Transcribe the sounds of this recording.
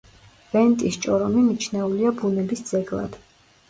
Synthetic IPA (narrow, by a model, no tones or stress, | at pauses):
v̥ɛnt̪ʼist͡ʃʼɔɾɔmimit͡ʃʰnɛuliabunɛbisd̪zɛɡlˠa̰d̪̥